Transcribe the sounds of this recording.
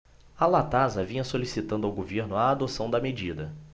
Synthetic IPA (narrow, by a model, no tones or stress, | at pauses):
alat̪azɐvĩɲɐsolisit̪ɐ̃nd̪ʊawɡoveɾnʊaːd̪osɐ̃w̃d̪ɐmed͡ʒid̪ɐ